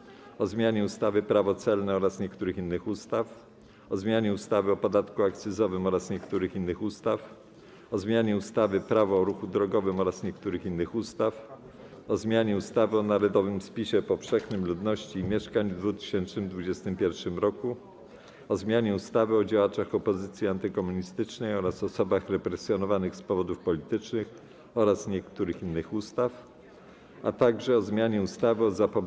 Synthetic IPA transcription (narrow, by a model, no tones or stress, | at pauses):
ɔzmʲjaɲɛust̪avɘpɾavɔt̪sɛlnɛɔɾasɲɛkt̪uɾɘxinːɘxust̪af | ɔzmʲjaɲɛust̪avɘɔpɔd̪at̪kuak̚t̪sɘzɔvɘmɔɾasɲɛkt̪uɾɘxinːɘxust̪af | ɔzmʲjaɲɛust̪avɘpɾavɔɔɾuxud̪ɾɔɡɔvɘmɔɾasɲɛkt̪uɾɘxinːɘxust̪af | ɔzmʲjaɲɛust̪avɘɔnaɾɔd̪ɔvɘmspʲiɕɛpɔfʂɛxnɘmlud̪nɔɕt͡ɕiːmʲjɛʂkaɲvd̪vut̪ɘ̥ɕɛnt͡ʂnɘmd̪vud͡ʑɛst̪ɘmpʲjɛɾfʂɘmɾɔku | ɔzmʲjaɲɛust̪avɘɔd͡ʑawat͡ʂaxɔpɔzɘt̪sʲjiant̪ɘkɔmuɲist̪ɘt͡ʂnɛjɔɾasɔsɔbaxɾɛpɾɛsʲjɔnɔvanɘxspɔvɔd̪ufpɔlʲit̪ɘt͡ʂnɘx | ɔɾasɲɛkt̪uɾɘxinːɘxust̪af | at̪aɡʐɛɔzmʲjaɲɛust̪avɘɔzapɔ